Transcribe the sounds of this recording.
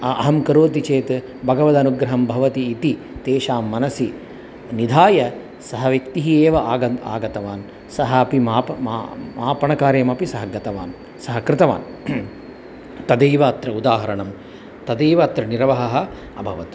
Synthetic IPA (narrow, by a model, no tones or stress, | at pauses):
ɐɐɦɐmkɐɾoːt̪̬it͡ʃeːt̪ | bʱɐɡɐʋɐd̪ɐnuɡɾɐɦɐmbʱɐʋɐt̪iːt̪i | t̪eːʃaːmːɐnɐsi | nid̪ʱaːjɐ | sɐɦɐʋekt̪iɦieːʋɐaːɡɐa̰ːɡɐt̪ɐʋaːn | sɐɦɐːpimaːpmmaːpɐɳɐkaːɾjɐmɐpisɐɦɐɡɐt̪ɐʋa̰ːn | sɐɦɐkɾɪt̪ɐʋa̰ːn | t̪ɐd̪eːʋɐːt̪ɾɐud̪aːɦɐɾɐɳɐm | t̪ɐd̪eːʋɐːt̪ɾɐniɾɐʋɐɦɐɦɐ̆ | ɐbʱɐʋɐt̪